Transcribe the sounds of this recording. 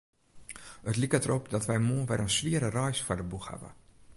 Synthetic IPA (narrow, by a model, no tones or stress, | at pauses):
ətlikətəɾopdɔtʋɛjmuəʋɛɾənsʋiəɾərɔjsfɔdəbuxha̰və̰